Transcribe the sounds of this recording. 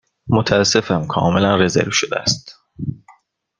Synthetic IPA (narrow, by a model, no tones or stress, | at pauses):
mot̪ʰææsːe̞fæmkʰɒ̰ːme̞lænre̞zḛɾvʃod̪eæ̰st̪